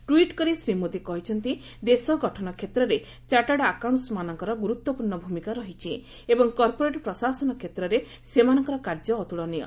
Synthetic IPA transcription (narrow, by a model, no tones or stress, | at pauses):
ʈwiʈkɔɾisɾimod̪ikɔɦit͡ʃʰɔnt̪i | d̪esɔɡɔʈʰɔnɔkʰet̪ɾɔɾe | t͡ʃaʈaɽɔakawnsmanɔŋkɔɾɔɡuɾut̪wɔpuɾɳːɔbʱumikaɾɔɦit͡ʃʰi | ebɔŋkɔɾpoɾeʈɔpɾɔsasɔnɔkʰet̪ɾɔɾe | semanɔŋkɔɾɔkaɾd͡ʒɔːt̪uɭɔnijɔ̰